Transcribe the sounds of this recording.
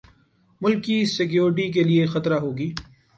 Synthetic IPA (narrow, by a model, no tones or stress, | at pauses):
mʊlkːisɪkjoːɾɪʈ̬ik̬eliexɐt̪ɾaɦoːɡiː